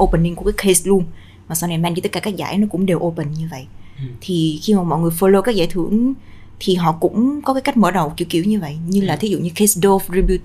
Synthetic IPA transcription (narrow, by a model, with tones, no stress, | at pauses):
ʔo˧pə˨ni˧ŋku˧˩kaː˨˦kʰe˧slu˧ən | maː˨˩saː˧wna˧˩jmaː˧ŋi˧t̪ə˦˥t̚kaː˧˩kaː˦˥k̚za̰ː˧˩˦jnɔ˨˦kʊ̰˧˥ŋ͡mɗe˨˩wʔo˧pə˨˩nɲɨ˧və̰˧˨jt̪ʰi˨˩xi˧maː˨˩mɔ̰˧˨ŋɨ˨˩əjfəː˧˩lo˧kaː˦˥k̚za̰ː˧˩jt̪ʰɨ˧˩əŋ | t̪ʰi˨˩ɦɔ̰˧˨kʊ̰˧˥ŋ͡mkɔ˨˦kaː˨˦jka˦˥k̚məː˧˩ɗə˨˩wki˧˩əwki˧˩wɲɨ˧və̰˧˨jʔɲɨ˧laː˨˩t̪ʰi˨˦zṵ˧˨ɲɨ˧ke˧˦sɗo˧fɹi˧bu˧t̚